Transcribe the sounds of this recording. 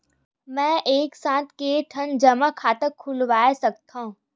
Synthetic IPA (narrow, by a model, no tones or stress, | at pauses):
mɛ̃ːʔeːksãːt̪ʰkeʈʰənd͡ʒəmakʰaːt̪əkʰːʊlʋaːesɐk̚t̪aɦũ